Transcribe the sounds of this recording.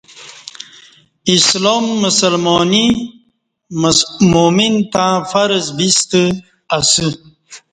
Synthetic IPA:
isloːmːusalmɔni | momint̪ãfaɾzbist̪ɨ | asɨ

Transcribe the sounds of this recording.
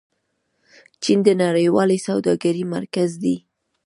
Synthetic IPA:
t͡ʃind̪ənaɽəjwɑlisawd̪ɑɡaɾimaɾkazd̪i

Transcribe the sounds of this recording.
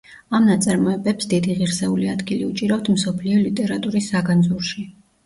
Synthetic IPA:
amnat̪sʼaɾmɔɛbɛpsd̪id̪iʁiɾsɛuliad̪ɡiliut͡ʃʼiɾaft̪ʰm̩sɔpʰliɔlit̪ʼɛɾat̪ʼuɾisːaɡanzuɾʃi

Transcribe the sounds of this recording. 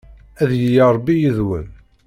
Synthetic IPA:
æðjəjaɾˤbːijəðwə̰n

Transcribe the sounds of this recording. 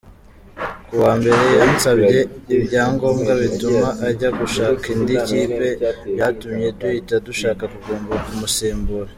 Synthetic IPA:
kuwaːmbe̞ɾe̞jansabɟe̞ibɟaːŋɡo̞ːmɡaβituumaʔːɾɟaɡuʃaːkindiciːpe̞jatumɲe̞duiːtaduʃaːkakuɡuːmbuɾakumusiːmbuɾe

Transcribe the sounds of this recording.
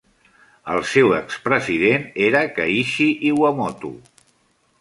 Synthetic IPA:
əlˠsewəkspɾəziðeneɾəkəiʃiʔiwəmɔt̪ṵ

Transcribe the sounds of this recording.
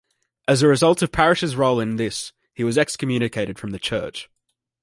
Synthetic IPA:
ʔəzəɹɪzʌlˠtəv̥pʰæɹɪʃɪzɹɒʊlˠɪ̃nðɪs | hiwɒzɛkskʰəmjʉːñɪkʰeɪɾɪd̥fɹə̃mðət͡ʃʰɜ̰ˑt͡ʃ

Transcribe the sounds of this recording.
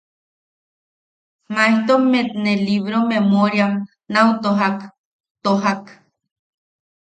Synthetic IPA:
maeht̪omet̪neliβɾomemoɾjam | naut̪oɦak | t̪oɦak

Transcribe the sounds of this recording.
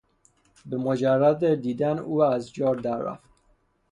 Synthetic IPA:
bemod͡ʒærːæd̪ed̪iːd̪ænuːæzd͡ʒɒːɾd̪æɾːæ̰ft̪

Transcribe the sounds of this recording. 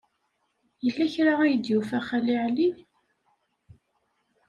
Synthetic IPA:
jəlːæçɾaæjəd̪jufæχæliʕli

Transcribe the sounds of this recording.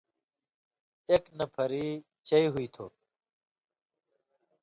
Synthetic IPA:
eknɐpʰɐɾiː | t͡ɕɐiɦuit̪ʰo̰ː

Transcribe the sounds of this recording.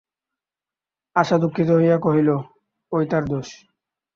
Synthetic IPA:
aʃad̪ukʰːit̪oɦojakoɦilo | ojt̪aɾd̪oʃ

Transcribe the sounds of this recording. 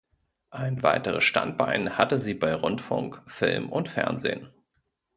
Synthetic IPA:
ʔaɪnva̰ɪtəʁə̰sʃta̰nt̚b̥aɪnhatəziːbaɪʁʊntfʊ̰ŋkfɪlmʔʊntfɛ̰ɐnzḛːn

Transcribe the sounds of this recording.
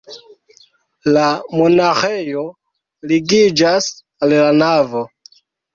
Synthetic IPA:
lamonaxejo | liɡid͡ʒas | allanavo

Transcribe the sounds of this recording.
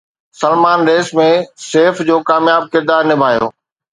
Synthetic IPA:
sɐlmaːnɾeːsmẽseːfd͡ʑoːkaːmjaːb̚kɪɾd̪aːɾnɪbʱaːjo̰ː

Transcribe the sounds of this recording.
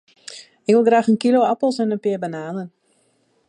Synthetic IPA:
ɪkʋɪlˠɡraːxənkiloːapəl̩ˠsɛnənpɪərbanaːnən

